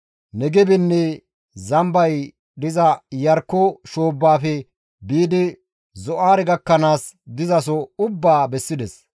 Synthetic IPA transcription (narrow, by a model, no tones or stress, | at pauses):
nɛɡɛbɪnːɛ | zɐmbɐj | ɗd̪ɪzɐjɐɾkːɔʃo̞ːbːaːfɛ | biːd̪ɪ | zɔʔaːɾɛɡɐkːɐnaːsd̪ɪzɐs̬ɔʊbːaːbɛsːɪd̪ɛs